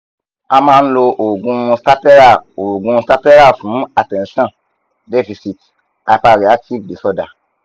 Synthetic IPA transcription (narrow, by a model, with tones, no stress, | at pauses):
a˧mãː˧n̩˦lo˧ʔo˨ɡũ˧sta˦pɛ˦ɾa˦˨o˨ɡũ˧sta˦pɛ˦ɾa˦˨fũ˨˦a˨tɛ̃˨n˦ʃɔ̃˦˨ | dɛ˦fi˧si˨t | a˨˧˨pa˧ɾi˨a˦k̚ti˦vde˨sɔ˧da̰˨